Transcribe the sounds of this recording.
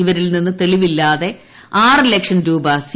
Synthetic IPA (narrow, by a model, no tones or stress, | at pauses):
iʋɐɾilninːɨt̪e̞ɭiʋilːaːðe̞ | aːrilekʂɐnɾuːbɐs